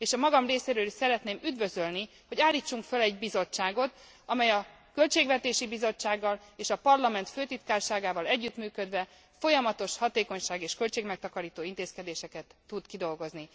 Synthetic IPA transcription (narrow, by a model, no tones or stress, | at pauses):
eːʃɒmɒɡɒmreːseːɾøːliʃsɛɾɛt̪neːmyd̪vø̞zølni | ho̞ɟaːlːiːt͡ʃːuŋkfølɛɟbizo̞t͡ʃːaːɡo̞t̪ | ɒmɛjɒ | kø̞lt͡ʃeːɡvɛt̪eːʃibizo̞t͡ʃːaːɡːɒleːʃɒpɒrlɒmɛnt̪føːt̪it̪kaːrʃaːɡaːvɒlɛɟːyt̪myːkød̪ʋɛ | fo̞jɒmɒt̪o̞ʃhɒt̪eːko̞ɲʃaːɡeːʃkølt͡ʃeːɡmɛk̚t̪ɒkɒɾiːt̪oːint̪eːskɛd̪eːʃɛkɛt̪ːud̪kid̪o̞lɡo̞zni